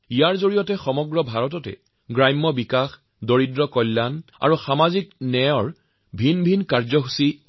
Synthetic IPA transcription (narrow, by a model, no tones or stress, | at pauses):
ijaɹzoɹijɔtɛxɔmɔɡɹɔbʱaɹɔtɔtɛ̰ | ɡɹajmːɔbikax | doɹidɹɔkɔlːana̰ɹuxamaziknɛjɔɹ | bʱinbʱinkaɹzɔɦusi